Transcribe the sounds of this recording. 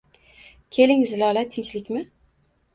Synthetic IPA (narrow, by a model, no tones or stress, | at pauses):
kʲʰe̞lɪŋzɪlɒlat̪ʰːɪnt͡ʃlɪkʲmɪ